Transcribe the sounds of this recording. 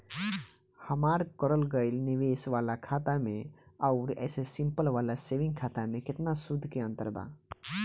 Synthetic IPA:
həmaɾkəɾəlɡəɪlniʋesʋalakʰat̪ameəʊɾɛ̰sesimpəlʋalaseʋĩŋɡkʰat̪amekɪt̪nasud̪ʱːkeə̃nt̪ə̰ɾba̰

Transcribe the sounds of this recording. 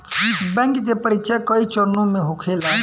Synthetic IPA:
bɛ̃ŋkt̪epəɾitt͡ʃʰakəit͡ʃəɾnõmeɦokʰela

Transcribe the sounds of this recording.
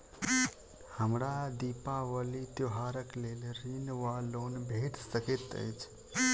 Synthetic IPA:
həmɾad̪ipaʋəlit̪joɦaɾəklelɾinʋalonbʱeʈsəket̪ə̰jt͡ʃʰ

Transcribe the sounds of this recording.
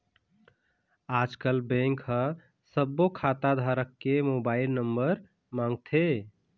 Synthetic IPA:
ad͡ʒkəlbẽŋkhə | səbːokʰat̪ad̪ʱaɾəkːemobaɪlnəmbəɾ | mãŋɡt̪ʰe

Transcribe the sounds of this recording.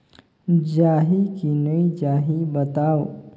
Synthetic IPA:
d͡ʒaːɦikinəid͡ʒaːɦibət̪aːo

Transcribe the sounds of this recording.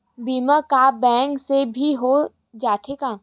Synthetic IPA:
biːməkabɛ̃ːŋksebʱiɦo | d͡ʒaːt̪ʰeka

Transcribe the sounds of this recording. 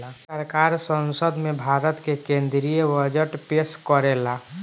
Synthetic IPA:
a | əɾkaɾsə̃nsəd̪mẽbʱaɾət̪kekẽnd̪ɾijəbəd͡ʒəʈpeskəɾela

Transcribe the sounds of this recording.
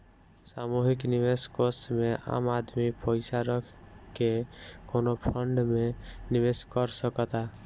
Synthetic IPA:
samuɦikniʋeskosmeʔa̰ːmad̪mipəɪsaɾəkʰkekonopʰəɳɖmeniʋeskəɾsəkət̪a

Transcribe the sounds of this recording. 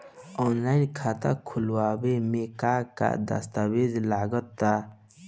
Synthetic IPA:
ɔːnlaːjnkʰat̪a̰kʰulwaːbemekaka̰d̪a̰st̪abezlaːɡət̪ːa

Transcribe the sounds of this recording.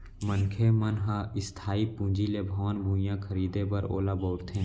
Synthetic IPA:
mənkʰeːmənɦaɪst̪ʰaːipũːd͡ʒiːlebʱaːnbʱũːjãːkʰəɾiːd̪eːbəɾo̰ːlaːbɔːɾt̪ʰẽ

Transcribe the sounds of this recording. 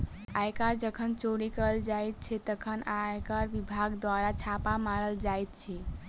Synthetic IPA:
ajkaɾd͡ʒəkʰənt͡ʃoɾikəld͡ʒajt̪̚t͡ʃʰɛt̪əkʰənajkaɾʋibʱaɡd̪waɾat͡ʃʰapamaɾəld͡ʒajt̪̚t͡ʃʰɛ

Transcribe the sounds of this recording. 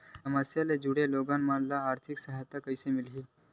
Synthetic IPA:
əməsjaled͡ʒuɽeloɡanmanlaːɾt̪ʰiksəɦajt̪akəjsemilɦi

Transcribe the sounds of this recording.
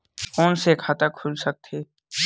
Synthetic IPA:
kɔːnsekʰaːt̪akʰʊlsɐk̚t̪ʰeː

